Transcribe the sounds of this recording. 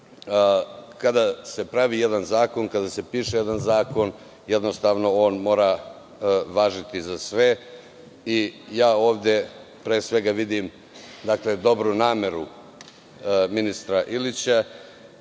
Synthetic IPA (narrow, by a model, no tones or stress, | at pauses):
kad̪ase̞pɾaʋijed̪anzaːko̞nkad̪ase̞piːʃejed̪anzaːko̞n | jed̪no̞st̪aːʋno̞o̞ːnmo̞ːɾa | ʋaːʒit̪izasʋe̞ | ijaːo̞ːʋd̪e | pɾeːsʋe̞ɡaʋid̪im | d̪akle̞d̪o̞bɾunaːme̞ɾu | minist̪ɾaʔilit͡ɕa